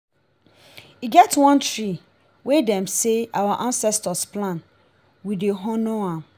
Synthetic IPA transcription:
iɡɛtwɔ̃ntɹi | wedɛ̃mseʔawaʔãnsɛstɔsplãn | wideɦɔ̃noãm

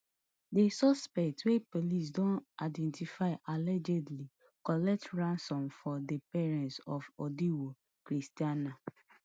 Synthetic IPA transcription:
desɔspɛktwepolis̬dɔ̃naɪdɛ̃ntifaɪʔalɛd͡ʒɛdli | kɔlɛk̚tɹãnsɔ̃nfɔdepɛɹɛ̃ntsɔfɔdiwo | kɾistiana

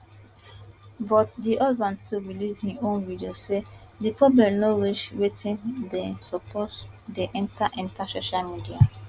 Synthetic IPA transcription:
bɔtdiʔɔdbãntuɹilishiõnvidiosedipɹɔblɛ̃mnoɹiʃwetĩndɛ̃nsɔpʰɔtdeʔĩntaʔĩntasoʃalmidia

